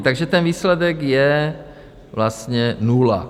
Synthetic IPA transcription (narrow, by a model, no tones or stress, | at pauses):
t̪aɡʒɛt̪ɛnviːslɛdɛkjɛ | vlast̪ɲɛnula̰